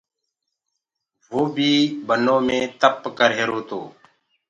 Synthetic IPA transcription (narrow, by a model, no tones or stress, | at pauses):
ʋoːbʱiːbənõːmẽːt̪əpkəɾɦeːɾoːt̪oː